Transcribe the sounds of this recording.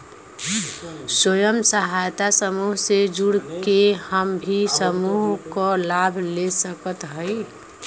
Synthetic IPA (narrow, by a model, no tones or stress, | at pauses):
swəjəmsəɦajt̪asəmuɦsed͡ʒuɽkehəmbʱisəmuɦkɔlabʱlesəkət̪ɦəɪ